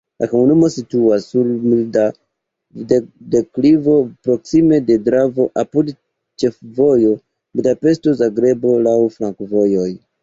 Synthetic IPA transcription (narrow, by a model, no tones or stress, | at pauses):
lʔakomunumo̞situasːuɾmida | ddeklivo̞pɾo̞ksime̞de̞dɾavo̞ʔapud | t͡ʃefvojo̞ | bidape̞sto̞zaɡɾe̞bo̞lawfɾaŋkvo̞jo̞j